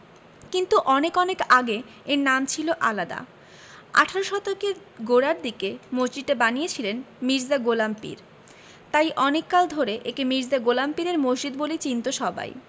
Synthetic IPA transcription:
kint̪uʔɔnekɔnekaɡe | eɾnamt͡ɕʰiloʔalad̪a̰ | a̰ʈʰaɾoʃɔt̪okeɾ | ɡoɽaɾd̪ikemoɦd͡ʑidʈabanijet͡ɕʰilen | miɾzaɡolampḭɾ | t̪ajʔɔnekːald̪ʱoɾeʔekimiɾzaɡolampiɾeɾmoɦd͡ʑid̪bolit͡ɕint̪oʃɔba̰j

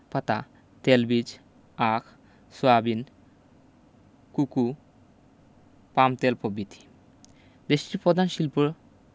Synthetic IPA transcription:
pat̪a | t̪elbid͡ʑ | akʰ | suabin | kuku | pamt̪elpobit̪ʰi̥ | d̪eʃʈiɾpɾɔd̪ʱanʃilpuɾ

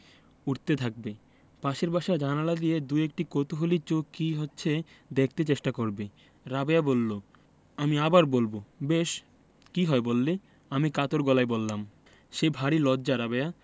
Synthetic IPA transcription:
uʈt̪et̪ʰak̚be | paʃeɾbaʃad͡ʑanalad̪ijed̪ujek̚ʈikot̪oɦolit͡ɕokkiɦotːɕʰe | d̪ek̚ʰt̪et͡ɕeʃʈakoɾbe | ɾabeabolːo | amiabaɾbolbobeʃ | kiɦɔebolːe | amikat̪oɾɡɔlaebolːam | ʃebʱaɾilɔːd͡ʑaɾabea

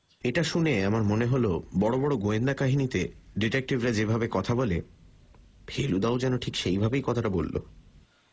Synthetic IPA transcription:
eʈaʃuneamaɾmoneɦolobɔɽobɔɽoɡoend̪akaɦinit̪eɖiʈek̚ʈibɾad͡ʑebʱabekɔt̪ʰabole | bʰʱelud̪aod͡ʑɛnoʈʰikʃejbʱabejkɔt̪ʰaʈabolːo̰

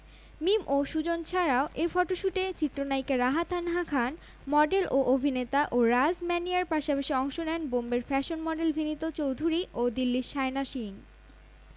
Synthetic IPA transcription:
mimʔoʃud͡ʑont͡ɕʰaɾaoʔefɔʈoʃuʈet͡ɕit̪ːɾonajkeɾaɦat̪ʰanɦakʰan | mɔɖelʔoʔobʱinet̪aʔoɾad͡ʑmɛniaɾpaʃapaʃiɔŋʃonɛnbombeɾfɛʃonmɔɖelbʱinit̪ot͡ɕowd̪ʱuɾiʔod̪ilːiʃajnaʃiŋ

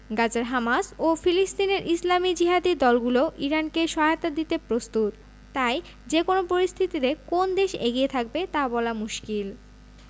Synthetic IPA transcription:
ɡad͡ʑaɾɦamasofilist̪ineɾʔislamid͡ʑiɦad̪id̪ɔlɡuloʔiɾankeʃɔɦeot̪ad̪it̪epɾost̪ut̪ː | aj | d͡ʑekonopoɾist̪ʰit̪iɾekond̪eʃḛɡiet̪ʰak̚bet̪abɔlamuʃkil

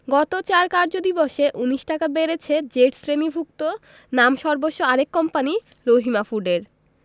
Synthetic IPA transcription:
ɡɔt̪ot͡ɕaɾkaɾd͡ʑod̪iboʃeʔuniʃʈakabeɾet͡ɕʰed͡ʑeʈsɾenibʱuk̚t̪o | namʃɔɾboʃːoaɾekːɔmpani | ɾoɦimafuɖeɾ

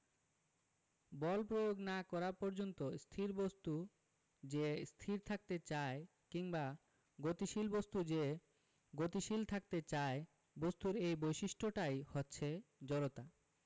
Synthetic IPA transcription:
bɔlpɾojoɡnakɔɾapɔɾd͡ʑont̪ost̪ʰiɾbost̪u | d͡ʑest̪ʰiɾt̪ʰak̚t̪et͡ɕae | kiŋba | ɡot̪iʃilbost̪ud͡ʑe | ɡot̪iʃilt̪ʰak̚t̪et͡ɕae | bost̪uɾejbojʃiʃʈʰoʈajhotːɕʰed͡ʑɔɾot̪a

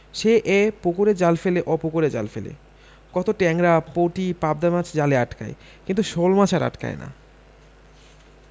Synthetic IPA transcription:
ʃeʔepukoɾed͡ʑalfeleʔɔpukoɾed͡ʑa̰lfelḛ | kɔt̪oʈɛŋɾapowʈipab̚d̪amat͡ɕʰd͡ʑaleaʈka̰e | kint̪uʃolmat͡ɕʰaɾa̰ʈka̰ena̰

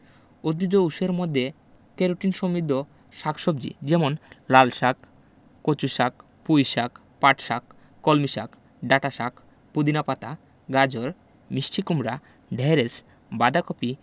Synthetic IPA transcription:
od̪̚bid͡ʑouʃeɾmod̪ʱːe | keɾuʈinʃomid̪ʱːo | ʃakʰʃobd͡ʑḭd͡ʑɛmonlalʃak | kot͡ɕuʃak̚ | pujʃak | paʈʃakː | olmiʃak | ɖaʈaʃak | pud̪inapat̪a | ɡad͡ʑoɾ | misʈʰikumɾa | ɖʱɛɾes | bad̪akopi

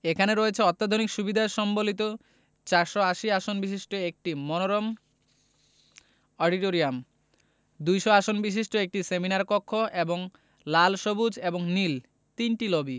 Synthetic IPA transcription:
ekʰaneɾoet͡ɕʰeɔt̪ːad̪ʱonikʃubid̪ʱaeɾʃɔmbolit̪̬o | t͡ɕaɾʃoaʃiaʃonbiʃ̬iʃʈoek̚ʈimɔnoɾom | ɔɖiʈoɾiam | d̪ujʃoaʃonbiʃ̬iʃʈoek̚ʈiseminaɾkokʰːoʔeboŋ | lalʃobud͡ʑeboŋnil | t̪inʈilobi

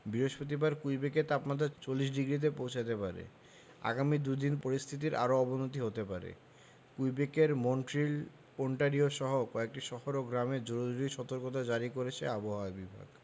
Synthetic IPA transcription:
biɾoʃpot̪̬ibaɾkujbekeɾt̪apmad̪ʱːat͡ɕolːiʃ̬ɖiɡɾit̪̬epowt͡ɕʰat̪epaɾḛ | a̰ɡamid̪ud̪inpoɾist̪ʰit̪̬iɾʔa̰ɾoɔbonot̪iɦot̪epaɾḛ | kujbekeɾmoɳʈɾil | poɳʈaɾioʃɔɦokɔek̚ʈiʃɔfoɾoɡɾamed͡ʑoɾod͡ʑuɾiʃɔt̪oɾkot̪̬ad͡ʑaɾikoɾet͡ɕʰḛaboɦaabibʱa̰ɡ

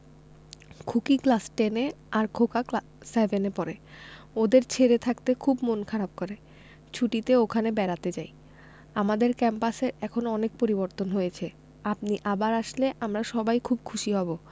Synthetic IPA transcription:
kʰukiklasʈeneaɾkʰokak | sevʱenepɔɾe | od̪eɾt͡ɕʰeɾet̪ʰakt̪ekʰubmonkʰaɾab̚koɾe | t͡ɕʰuʈit̪eokʰanebɛɾat̪ed͡ʑaj | amad̪eɾkɛmpaseɾɛkʰonoɔnek̚poɾiboɾt̪onɦojet͡ɕʰe | ap̚niʔabaɾaʃleʔamɾaʃɔbajkʰub̚kʰuʃiɦɔbo

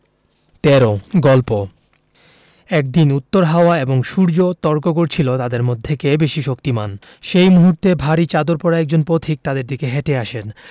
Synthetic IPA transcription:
t̪ɛɾoɡɔlpo | ɛk̚d̪inut̪ːoɾɦaoaeboŋʃuɾd͡ʑot̪ɔɾkoɡoɾt͡ɕʰilot̪ad̪eɾmod̪ʱːekebeʃiʃokt̪iman | ʃejmuɦuɾt̪ebʱaɾit͡ɕad̪oɾpɔɾaɛk̚d͡ʑonpot̪ʰik̚t̪ad̪eɾd̪ikeɦɛʈeaʃen

